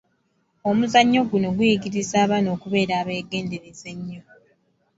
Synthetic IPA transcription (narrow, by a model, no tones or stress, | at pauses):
o̞muzaɲːo̞ɡuno̞ɡuiɡiɾizaːβano̞ːkuβe̞ːɾaːβe̞ːɡe̞ːnde̞ɾeze̞ɲːo̞